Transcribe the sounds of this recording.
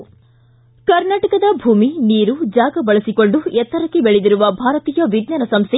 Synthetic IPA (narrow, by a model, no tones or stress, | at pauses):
kɐɾnaːʈɐkɐd̪ɐbʱuːminiːɾud͡ʒaːɡɐbɐɭɐsiko̞ɳɖuɛt̪ːɐɾɐkːebeɭed̪iɾuʋɐbʱaːɾɐt̪iːjɐʋid̪naːnɐsɐmst̪ʰe